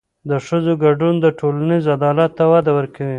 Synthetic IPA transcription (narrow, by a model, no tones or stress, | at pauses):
d̪əʂəzoɡaɖund̪əʈʰolanizad̪ɑlat̪ːawad̪awəɾkawi